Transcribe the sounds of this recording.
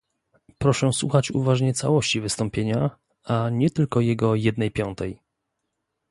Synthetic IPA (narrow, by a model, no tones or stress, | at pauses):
pɾɔʂɛswṵxat͡ɕṵvaʐɲɛt̪sa̰wɔɕt͡ɕivɘst̪ɔ̃mpʲjeɲa | aɲɛt̪ɘlkɔjɛɡɔjɛd̪nɛjpʲjɔnt̪ɛj